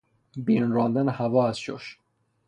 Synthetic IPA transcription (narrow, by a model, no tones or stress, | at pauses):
binɾɑːnd̪ænhævɒːæzʃo̰ʃ